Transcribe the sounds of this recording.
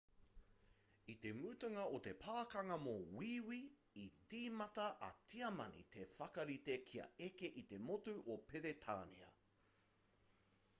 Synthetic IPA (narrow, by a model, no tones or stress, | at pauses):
it̪e̞mʉːt̪ɐŋɐot̪e̞pʰaːkɐŋɐmowiːwi | it͡siːmɐtɐʔɐ̰t͡siɐmɐ̰nḭt̪ʰe̞fɐkɐɾit̪ekʰiɐ̰ekeʔit̪e̞motuʔopʰeɾet̪ʰa̰ːnḭɐ̰